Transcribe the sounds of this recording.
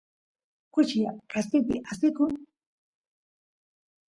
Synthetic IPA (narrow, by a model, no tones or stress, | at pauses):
kʊt͡ʃjakasɪt̪ɪ̰ʔasɪkʊ